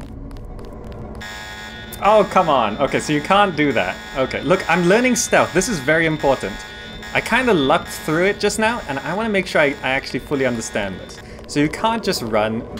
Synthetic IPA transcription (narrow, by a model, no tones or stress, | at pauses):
oʊkʰʌ̃mə̃no̰ʊkʰeɪsoʊjɨkʰæ̃nd̥ɨðæ̰t̚oʊkʰeɪlʊkʰãɪ̃mlɜ˞nɪ̃ŋstʌlˠfðɪsɨzvɛɹiɨ̃mpʰɔɹʔn̩t | ʔaɪkʰãɪ̃ndəlʌkθɹʉɪt̚d̥ʒ̥ʌsnaʊʔə̃naɪwɑ̃nəmeɪkʃʊɹaɪʔaɪæk̚t͡ʃʉl̩ˠifʊlˠiʌ̃ndə˞stæ̰̃nðɪ̰sː | oʊjɨkʰæ̃nd̥ʒ̥ʌst̚ɹʌ̃n